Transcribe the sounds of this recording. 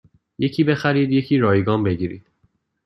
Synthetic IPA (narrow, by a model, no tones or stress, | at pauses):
je̞cʰiːbe̞xæɾiːd̪je̞cʰiːɾɒːjeɡɒːmbe̞ɟiːɾḭːd̪̥